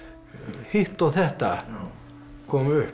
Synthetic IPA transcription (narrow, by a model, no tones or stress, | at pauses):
hiht̪ːˑot̪eht̪æ̰ˑ | komyø